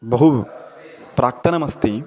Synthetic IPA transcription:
bɐɦu | pɾʔaːk̚t̪ɐnɐmɐst̪i

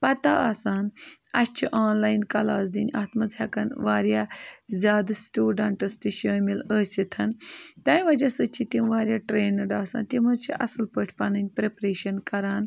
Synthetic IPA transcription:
pɐt̪aasaːnɐst͡ʃʰiʔaːnlaːjnkɐlaːsd̪iːnʲaːt̪mɐzɦɐkɐnʋaːɾjaːzʲjaːd̪ɐsʈuːɖɐɳʈɐst̪iʃəːmiləːsʲit̪ʰɐnt̪aːnʋɐd͡ʒasət͡ʃʰit̪imʋaːɾʲjaːʈɾeːnɐɖaːsa̰ːnt̪imɐt͡ʃʰiʔɐsɨlpəʈʲʰpɐnɐnʲpɾepɾeːʃɐnkɐɾaːn

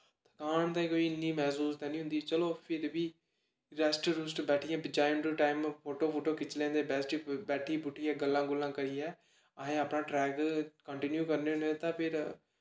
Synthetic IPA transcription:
t̪ʰəkaːɳt̪ãĩkoːiːɪnːiːmɛːsuːst̪ɛ̃ːnĩːɦʊ̃nd̪iːt͡ʃəloːpʰɪɾbiː | ɾɛːsʈɾuːsʈbɛːʈʰɪjɛ̃ːbd͡ʒaːjɪmʈuʈaːɪmpʰoːʈoːpʰoːʈoːkɪt͡ʃlẽːnd̪eːbɛsʈibɛːʈʰiːbʊʈʰːijɛ̃ːɡəlːãːɡʊlːãːkəɾiːɛː | aɦẽːaːpnãːʈɾɛːɡkəɳʈɪnjuːkəɾneːnet̪ãːpʰɪɾ

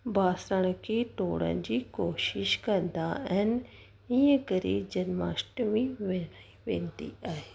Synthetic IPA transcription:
bʱaːsɾəɽ̃əkʰeːʈoːɽə̰nd͡ʑiːkoːʃɪʃkɐ̃nd̪aɐɦɪnɪ̆ | iːə̃kɐɾḭːd͡ʑɐnma̰ːsʈmĩʋeiʋḛ̃ːnd̪ḭaːɦeː

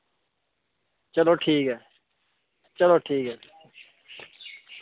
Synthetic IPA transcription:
t͡ʃəloːʈʰiːkɦɛː | t͡ʃəloːʈʰiːkɦɛː

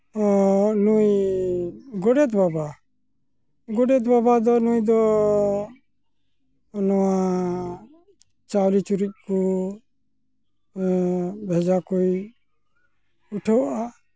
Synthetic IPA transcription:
ɔnuj | ɡɔɖɛt̪baba | ɡɔɖɛt̪babad̪ɔnujd̪ɔ | nɔwa | t͡ʃawlit͡ʃuɾuc̚ˀku | bʱɛd͡ʒakuj | uʈʰɔwʔa

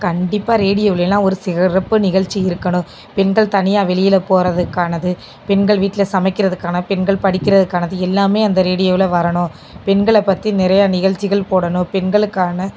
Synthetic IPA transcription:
kɐɳɖɪpːaːɾeːɽɪjoːʋɪlelːãːɔɾɯsɪɣɐɾɐpːɯnɪɣɐɻt͡ʃːiɪɾɯkːɐnʊ̃ | pɛnɡɐɭt̪ɐnɪjaːʋɛɭɪjɪlɐpoːɾɐðɯkːaːnɐðɯ | pɛnɡɐɭʋiːʈːɪlɐsɐmɐɪkːɪɾɐðɯkːaːnɐpɛnɡɐɭpɐɽɪkːɪɾɐðɯkːaːnɐðɯɛlːaːmeːɐnd̪ɐɾeːɽɪjoːʋɪlɐʋɐɾɐɳʊ̃ | pɛnɡɐɭɛpːɐt̪ːinɪɾɐjɐnɪɣɐɭt͡ʃːɪɣɐɭpoːɽɐnʊ̃pɛnɡɐɭɯkːaːnɐ

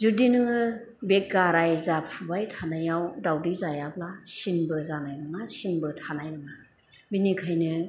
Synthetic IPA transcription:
zudinɯŋɯ | bek̚ɡaɾajzapʰubajtʰanajawdawdizajaplasinbɯzanajɾɯŋasinbɯtʰanajɾɯŋa | binikʰajnɯ

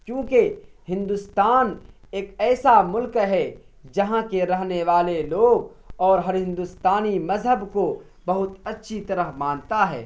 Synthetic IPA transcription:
kjõːkehɪ̃nd̪ust̪aːn | eːkɛːsamʊlkɦɛ | d͡ʒɐɦãkeɾɐɦneʋaːleloːɡ | ɔːɾɦɐɾɦɪ̃nd̪ust̪aːnimɐzɦəbko | bɐɦʊt̪ɐtːʃʰit̪ɐɾəɦmãːnt̪aɦɛ̰ː

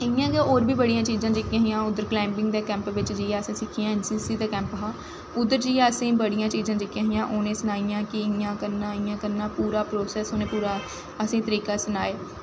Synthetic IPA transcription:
ɪjãːkeoːɾbiːbəɽijãːt͡ʃiːzãːd͡ʒɪkɪjãːɦɪjãːʊd̪əɾklaːɪmpɪ̃ŋɡd̪eːkɛ̃ːmpʋɪt͡ʃd͡ʒiːãːəsĩːsɪkʰijãːɛnsiːsiːd̪eːkɛ̃ːmpɦãː | ʊd̪əɾd͡ʒiːãːəsĩːbəɽɪjãːt͡ʃiːzãːd͡ʒɪkjãːɦɪjãːʔoːneːsʊnaːijãːkɪɪjãːkəɾnaːɪjãːkəɾnaːpuːɾaːpɾoːsɛːsoːnẽːpuːɾaː | əsĩːt̪əɾiːkaːsʊnaːeː

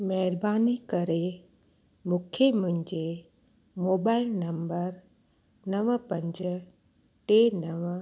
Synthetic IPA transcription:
mɐɦɪɾbaːnikəɾe | mʊkʰjemʊ̃ɦɪ̃ɲd͡ʑe | moːbaːɪlnɐmbəɾ | nɐʋəpɐ̃ɲd͡ʑə | ʈenəʋ

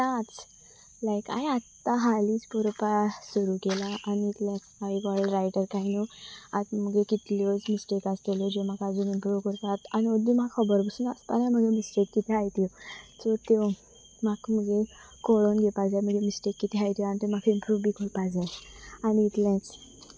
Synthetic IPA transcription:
at͡s | lajka̰iat̪ːaɦalit͡spɔɾpasuɾuːkelaʔaniːt̪lãt͡smaiɡɔlɾajʈəɾkainoat͡sm̤əɡlekit̪liot͡smisʈekat͡st̪elɔd͡ʑemakad͡zunimpɾuʋkəɾt̪at̪aniod̪imaɡkʰəbəɾbəsunaspanãm̤əɡemisʈekːit̪ʰiɦajt̪jɔt͡sɔt̪e | makməɡle | koɭonɡepad͡zajm̤əɡlemisʈekːit̪ʰiajt̪janit̪em̤akʰaimpɾuʋbikʰoɽpad͡zajaniːt̪lãt͡s

